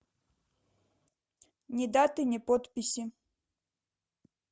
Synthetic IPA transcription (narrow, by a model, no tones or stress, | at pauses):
nʲɛd̪at̪ɨnʲɛpɔt̪pʲisʲi